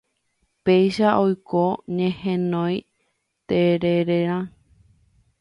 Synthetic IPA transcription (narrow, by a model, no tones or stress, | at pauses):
pejʃaʔojkoɲẽhẽnõj | t̪eɾeɾeɾ̃ã